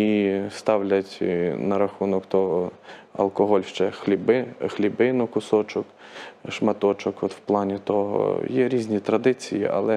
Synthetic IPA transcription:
ist̪ɑwlʲɐtʲnɐɾɐxunɔkt̪ɔ | ɐ̰lˠkɔɦɔlʲʃt͡ʃɛxlʲibɪxlʲibɪnʊkʊsɔt͡ʃɔkʃmɐt̪ɔt͡ʃɔkɔt̪w̥plˠɑnʲit̪ɔɦɔ̰jɛɾʲizʲnʲit̪ɾɐd̪ɪt͡sʲijḭʔɐ̰lˠɛ

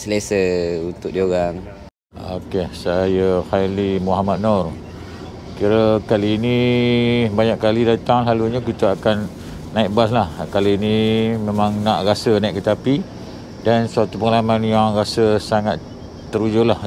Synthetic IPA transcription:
səlesəunt̪ʊk̚dioɣaŋ | o̰kesajəxalimuɦamad̪̚nɔr | kiɾəkaliːni | baɲaʔkːalidat̪aŋlaluɲakit̪əakanː | aiʔ̚baslahkaliːnimemaŋnaʔrasənaiʔkːət̪api | dansuat̪upəŋalamanjaŋɾasəsaŋat̪ | t̪ːəɾud͡ʒʊlah

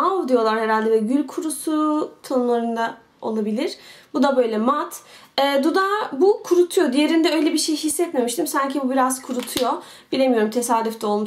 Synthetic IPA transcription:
avd̪ijo̞lˠaɾhe̞ɾalʲd̪ɛvɛɟylʲkʰuɾusut̪ʰanulˠaɾund̪a | o̞̰lˠabilʲiɾ̥bud̪abø̞jlʲɛmat̪ɛːd̪ud̪abukʰuɾut̪ʰujo̞d̪ije̞ɾind̪ɛø̞jlʲɛbiʃejhisːɛt̪me̞miʃt̪ʰimsaɲcʰibubiɾaz̥kʰuɾut̪ʰujo̞ | bilʲe̞mijo̞ɾumt̪ʰe̞saːd̪yft̪ʰɛo̞lˠmu

